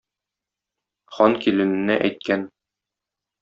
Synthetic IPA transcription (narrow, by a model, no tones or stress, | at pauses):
χɒnkilɘ̆nɘ̆nːæʔæjt̪̚kæn